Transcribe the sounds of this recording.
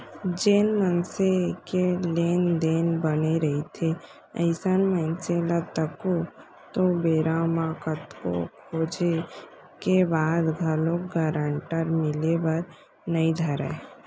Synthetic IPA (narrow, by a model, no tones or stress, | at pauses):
d͡ʒeːnmənsekeleːnd̪eːnbəneɾəɦit̪ʰe | ə̰ɪsənmənselət̪əko | t̪obeːɾamãkət̪ko̰kʰoːd͡ʒe | kebaːd̪ɡʱəlõkɡəɾəɳʈəɾmɪlebəɾ | nəĩd̪ʱəɾə̰